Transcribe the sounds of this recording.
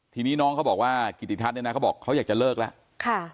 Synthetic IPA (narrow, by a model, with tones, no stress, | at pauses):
t̪ʰiː˧niː˦˥˩nɔː˦˥ŋʰa˦˥bɔː˨˩kwaː˥˩ki˨˩t̪ʰːi˨˩t̪ʰa˦˥ne˧na˦˥kʰa˦˥bɔː˨˩kʰːa˦˥wjaː˨˩k̚t͡ɕa˨˩lɤː˥˩k̚lɛ˦˥ʔ | kʰa˥˩